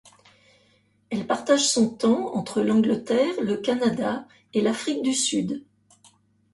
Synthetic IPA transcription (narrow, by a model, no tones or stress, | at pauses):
ɛlpaʁt̪aʒsɔ̃t̪ɑ̃ɑ̰̃t̪χəlɑ̃ɡlət̪ɛʁləkanad̪a | elafχik̚d̪ysyd̪